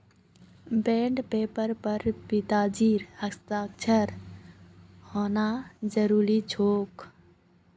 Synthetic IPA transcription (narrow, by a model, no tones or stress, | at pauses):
beɳɖpepəɾpəɾpit̪ad͡ʒiɾhəkst̪aːk̚t͡ʃʰəɾ | honad͡ʒəɾuɾid͡ʒʱoːk